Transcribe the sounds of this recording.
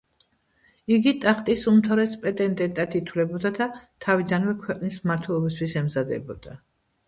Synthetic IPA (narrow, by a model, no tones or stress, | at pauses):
iɡit̪ʼaχt̪ʼisumt̪ʰaɾɛspʼɛt̪ʼɛnd̪ʼɛnt̪ʼat̪it̪ʰwlɛbɔd̪ad̪at̪ʰavid̪anvɛkʰwɛqʼnismaɾt̪ʰwɛlˠɔbis̬t̪ʰwisɛmzad̪ɛ̰bɔd̪a